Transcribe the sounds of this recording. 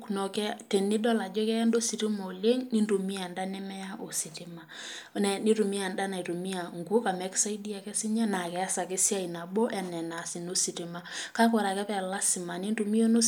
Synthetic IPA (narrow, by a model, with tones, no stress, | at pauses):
knɔ˨kɛ˦te˨nːi˦dɔ˦la˨d͡ʒɔ˦kɛ˦a˦ndo˦si˨ɾi˦mɔ˨le˦ŋni˦ndu˨mi˦a˨nda˦nɛ˦mɛ˦ja˦ʔo˨si˨ti˦ma˨ | nɛ˨ni˦ɾu˨mi˦a˨nda˦na˨i˨ɾu˨mi˦a˨ŋɡu˦ka˨mɛ˨˦ksa˦i˦di˦a˨kɛ˦sɪ˦ɲa˦na˨kɛ˨a˦sa˨ke˦sja˦i˨na˨bɔ˦ʔɛ˨nɛ˨na˨si˨no˦si˨ti˨ma˨ka˦k̬ɔ˨ɾa˨kɛ˦pɛ˦˨la˦sɪ˨ma˨ni˦nru˨mi˦o˦no˦